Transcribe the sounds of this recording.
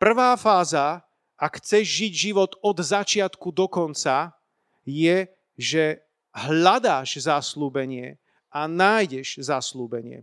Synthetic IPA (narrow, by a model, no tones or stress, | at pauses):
pr̩ʋaːfaːza | ʔakxt͡sɛʒʒiɟʒiʋɔt̪ɔd̪zat͡ʃɪat̪kud̪ɔkɔnt͡sa | jɛ | ʒɛ | ɦlad̪aːʒzasluːbɛɲɪɛ | anaːjɟɛʒ̥zasluːbɛɲɪɛ̰